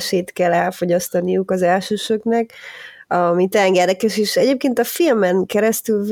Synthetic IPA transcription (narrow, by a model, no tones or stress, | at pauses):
ʃeːt̪kɛlːɛlfo̞ɟɒst̪ɒnijukɒzɛlʃøːʃøknɛkɒmit̪ɛɛŋɡɛd̪ɛkɛʃeːʃɛɟeːp̚keːnt̪ɒfilmɛŋkɛɾɛst̪ylv